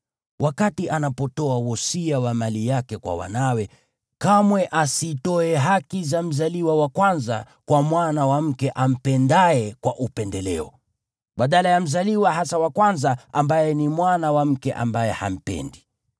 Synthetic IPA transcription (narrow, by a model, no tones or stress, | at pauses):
wakatiʔanapɔtɔawɔsiawamalijakɛkwa̰wa̰nawɛ | kamwɛʔasitɔɛɦakizam̩zaliwawakwanza̰ | kwamwanawam̩kɛʔam̩pɛndaɛkwaʔupɛndɛlɛ̰ɔ | ɓaɗalajam̩zaliwaɦasawakwanzaːmbajɛnimwanawam̩kɛ̰ʔa̰mbajɛha̰m̩pɛ̰ndi